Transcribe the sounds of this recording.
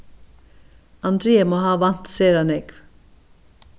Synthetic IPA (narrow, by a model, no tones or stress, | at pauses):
ɑnd̪ɾeːəmoːhɑːʋɑn̥t̪seːəɾhɑnɛːɡ